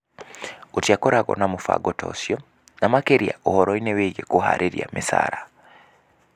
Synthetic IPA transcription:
utjakoɾaɣo̰namufa̰ɡotʰo̰sjo | namakeɾija̰ʔuhoɾoineweɡekuha̰ɾʔiɾja̰mʔisa̰ɾa

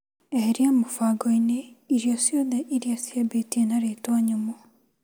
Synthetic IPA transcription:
eɦeɾiamofaɡɔineiɾjɔsjoðɛʔiɾijasjabetienaɾetwaɲomo

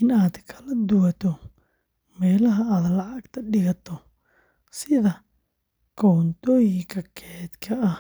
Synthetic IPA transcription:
ɪnaːd̪kʰɐlɐd̪ʊwɐt̪ʰɔ | mɛːlɐɦɐaːd̪lɑʕɑɡt̪ʰɐɖɪɣɐt̪ʰɔ | sɪðɐ | kʰɔːnt̪ʰɔːjɪŋkʰɐkʰɛːd̪kʰɐɐh

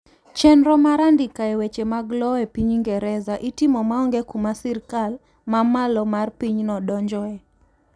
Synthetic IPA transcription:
t͡ʃɛnɾɔmaɾandikaɛwet͡ʃemaɡlɔɛpiɲiŋɡɛɾɛzaʔitimɔmaɔŋɡɛkumasirkal | mamalɔmarpiɲnɔdɔɲd͡ʒɔɛ

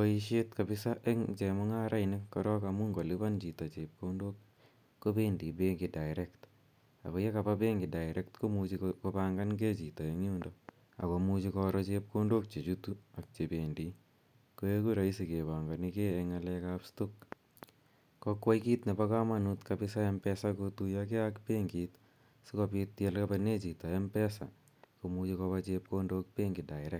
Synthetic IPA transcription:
koiʃetkabɪsaʔeŋt͡ʃemɔŋaɾʔainikːɔɾɔkamuŋɡoliβant͡ʃitɔt͡ʃep̚kondokː | obendibeŋɡidajɾekt | a̰kojekapabeŋɡidajɾʔek̚tkomut͡ʃikopaŋɡanɡet͡ʃitɔeŋuːndɔ | a̰komut͡ʃikɔɾɔt͡ʃep̚kondok̚t͡ʃet͡ʃutuak̚t͡ʃepeːndi | koekuɾaisikebaŋɡanikeːŋalɛkapstuk̚ | kokwaikit̪nepakamanut̪kapɪsaempɛsakotujak̬eakpeŋɡit̪ | sikopit̪jɛlkapanet͡ʃitɔɛmpɛsa̰ | komut͡ʃikɔpat͡ʃep̚kondok̚peŋɡɪdaɪɾɛk̚

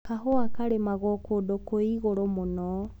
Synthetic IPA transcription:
kaɦoakaɾemaɣɔkodokoiɣoɾomonɔ

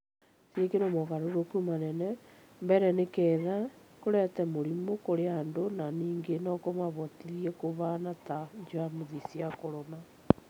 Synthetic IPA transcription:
siekenomɔɣaɾoɾokumanɛnɛ | mbɛɾɛnekɛːðakoɾɛtɛmoɾimokoɾeandonaniːŋɡenɔkomaβɔtiɾiɛkoβanataɲd͡ʒoamoðisiakoɾɔma

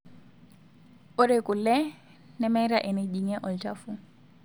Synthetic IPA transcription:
ʊɾekʼʊlɛ | nɛmɛɾaʔɛnediŋɛʔɔltʼafu

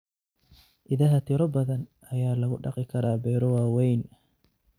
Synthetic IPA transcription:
ʔɪðɐɦɐt̪ʰɪɾɔbɐðɐnʔɐjaːlɐɣʊɖɑ̰qɪkʰɐɾaːbɛːɾɔwaːwɛjn

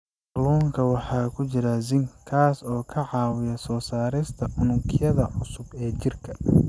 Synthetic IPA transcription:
ɐlɔːŋkʰɐwɑħɑːkʰʊt͡ʃɪɾɐzɪŋkʰaːsɔːkʰɐʕɑːwɪjɐsɔːsaːɾɪst̪ʰɐʕʊnʊŋkʰɪjɐðɐʕʊsʊbɛːt͡ʃɪrkʰɐ̥

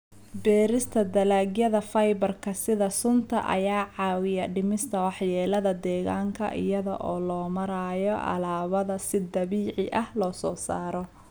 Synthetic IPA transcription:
bɛːɾɪst̪ʰɐd̪ɐlaːɡjɐðɐfɐjbɐrkʰɐsɪðɐsʊnt̪ʰɐ̰ʔɐ̰jaːʕɑːwɪjɐɖɪmɪst̪ʰɐwɑħjɛːlɐðɐd̪ɛːɣaːŋkʰɐ̰ʔɪ̰jɐðɐ̰ʔɔːlɔːmɐɾaːjɔʔɐ̰laːβɐðɐsɪd̪ɐβiːʕɪ̰ʔɐhlɔːsɔːsaːɾɔ

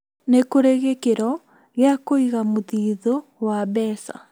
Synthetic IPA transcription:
nekoɾeɣekeɾɔ | ɣeakoiɣamoðiːðowaβɛːsa̰

